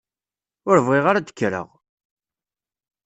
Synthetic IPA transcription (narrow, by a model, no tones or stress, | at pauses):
ʊɾvʁiʁaɾad̪ə̥kːɾə̰ʁ